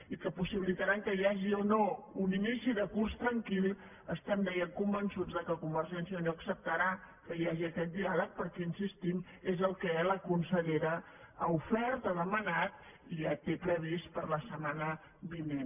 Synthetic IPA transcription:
ikəpusiβilit̪əɾaŋkəjaʒionouninisiðəkurst̪ɾəŋkilˠ | əst̪and̪ɛjəŋkumbənsud͡zðəkəkumbəɾʒɛnsiənoəksəp̚t̪əɾakəjaʒiəkɛt̪̚d̪ialək̚pəɾkɛinsist̪im | ezəlˠkələkunsəʎeɾə | aufɛɾt̪aðəmənat̪iʒat̪epɾəβ̞ispəɾləsəmanə | βinen

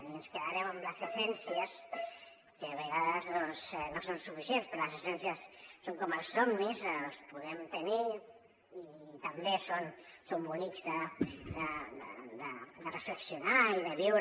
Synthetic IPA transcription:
iənskeðaɾeməmləzesɛnsjəs | keaβeɣ̞aðəzðonsnosonsufisjenspɾoləsesɛnsjəsːoŋkoməlˠsːɔmnizspuðɛmt̪eni | it̪ambesonsombunikzðəd̪əd̪̰d̪əd̪ərəfleksjunaiðəβiwɾ

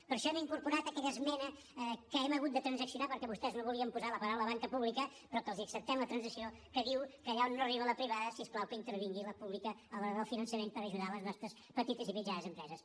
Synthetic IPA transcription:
pəɾʃɔɛmiŋkuɾpuɾat̪əkɛʎəzmɛnə | kəɛməɣut̪d̪ət̪ɾənzəksiunapəɾkɛβust̪ɛznoβuliəmpuzaləpəɾawləβaŋkəpuβlikə | pɾɔkəlˠziəksəp̚t̪ɛmlət̪ɾənzisio | kəðiwkəːʎaonːoəriβələpɾiβaðəsiesklawkəint̪əɾβiŋɡiləpuβlikəəlˠɔɾðəlˠfinənsəmenpəɾəʒuðaləznɔst̪ɾəs | pət̪it̪əzimid͡ʒanəzəmpɾɛzəs

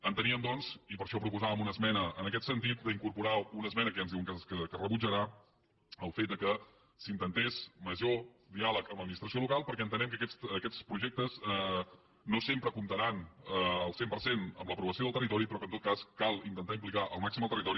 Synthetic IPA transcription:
ənt̪əniəmd̪ɔnzipəɾʃɔpɾupuzaβəmunəzmɛnəənəkɛt̪sənt̪̬it̪̚d̪əiŋkuɾpuɾaunəzmɛnəkəanzðiwəŋkəsəkərəβud͡ʒəɾa | əlˠfet̪̚d̪əkə | sint̪ənt̪ɛzməʒo | d̪ialəkəmləd̪minist̪ɾəsiolukalˠpəɾkɛənt̪ənɛmkəkɛt͡s̪əkɛt͡spɾuʒɛk̚t̪əzə | nosempɾəkumt̪əɾanəəlˠsempəɾsenə̰mləpɾuβəsioðəlˠt̪ərit̪ɔɾipɾɔkənt̪ot̪̚kaskalˠint̪ənt̪aimplikaʔəlˠmaksiməlˠt̪ərit̪ɔɾi

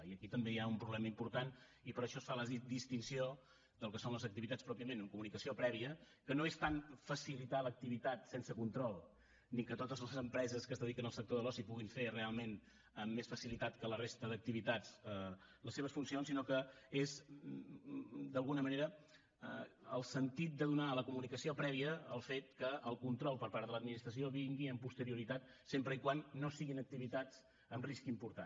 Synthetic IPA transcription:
iəkit̪əmbejaumpɾuβlɛməimpuɾt̪an | ipəɾəʃɔsfaləd̪ist̪insio | d̪əlˠkəsonləzək̚t̪iβit̪at͡sspɾɔpiəmenəŋkumunikəsiopɾɛβiə | kənoest̪aɱfəsilit̪alək̚t̪iβit̪at̪sensəkunt̪ɾɔlˠ | nikət̪ot̪əzləzəmpɾɛzəskəzðəðikənəlˠsək̚t̪oðəlˠɔsipuɣiɱferealˠmen | əmːesfəsilit̪at̪kələrest̪əðək̚t̪iβit̪at͡sə | ləseβ̞əsfunsionsinɔkəez | d̪əlˠɣunəməneɾə | əlˠsənt̪it̪̚d̪əðunaləkumunikəsiopɾɛβiəːlˠfet̪̚kəəlˠkunt̪ɾɔlˠpəɾpaɾðələd̪minist̪ɾəs̬ioβiŋɡiəmpust̪əɾiuɾit̪at̪ | sempɾəikwanːosiɣinək̚t̪iβit̪at͡s | əmriskimpuɾt̪an

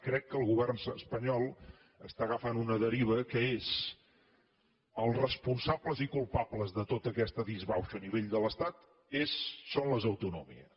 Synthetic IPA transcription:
kɾɛkːəlˠɣuβ̞ɛrnəspəɲɔlˠ | əst̪aɣəfanunəðəɾiβ̞əkəez̥ | əlˠrəspunsabləzikulˠpabləzðət̪ot̪əkɛst̪əðizβawʃəːniβ̞eʎd̪ələst̪at̪ | esːonləzəwt̪unumḭəs

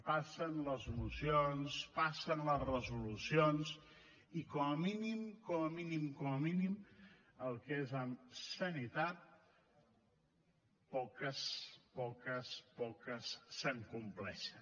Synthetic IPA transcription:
pasənləzulusionspasənləzrəzulusions | ikɔməminimkɔməminimkɔməminim | əlˠkezəmsənit̪at̪̚ | pɔkəspɔkəspɔkəsːəŋkumplɛ̰ʃən

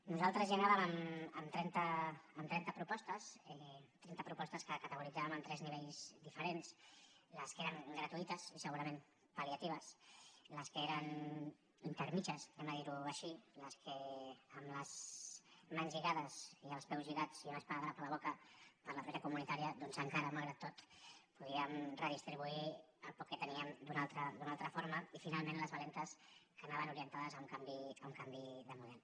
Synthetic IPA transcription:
nuzalˠt̪ɾəzʎanaβəməməmt̪ɾɛnt̪əːmt̪ɾɛnt̪əpɾupɔst̪əsɛt̪ɾɛnt̪əpɾupɔst̪əskəkət̪əɣ̞uɾid͡zaβəməmt̪ɾɛzniβ̞eʎzd̪ifəɾensləskeɾəŋɡɾət̪uit̪əzisəɣuɾɐmẽm | paljat̪iβ̞əsləskəeɾən | int̪əɾmit͡ʃəsɛməðiɾuəʃiləskʰəəmləz | manzʎiɣaðəziəlˠspɛwzʎiɣat͡siaməspaaðəpələβɔkəpəɾləpɾeʒəkumunit̪aɾiəd̪ɔnzəŋkaɾəmalˠɣɾat̪ːot̪puðiəmrəð̞ist̪ɾiβui | əlˠpɔkʰːet̪əniəmd̪unalˠt̪ɾəd̪unalˠt̪ɾəfoɾməifinalˠmẽnləzβəlent̪əskənaβənuɾiənt̪aðəzauŋkambiəuŋkambiðəmuðɛl

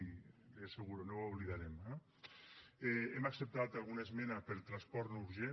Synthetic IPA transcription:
eseɣuɾonowoβliðaɾemɛ | eemaksep̚t̪at̪alˠɣ̞unezmɛnapəlt̪ɾaspɔɾt̪nuɾʒe

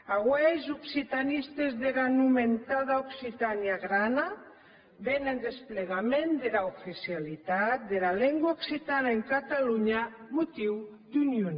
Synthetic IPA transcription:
aɣwejzuksit̪anist̪ezðeɣanument̪aðauksit̪aniaɣɾana | βenend̪espleɣ̞amẽnd̪elaufisjalit̪at̪̚d̪elaleŋɡwaoksit̪anaeŋkat̪aluɲa | mut̪iw | d̪unjun

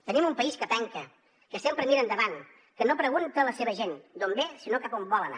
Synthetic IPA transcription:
t̪ənimumpəiskəpɛŋkə | kəsempɾəmiɾəːnd̪əβan | kənopɾəɣunt̪ələseβəʒend̪ombesinokəkombɔləna̰

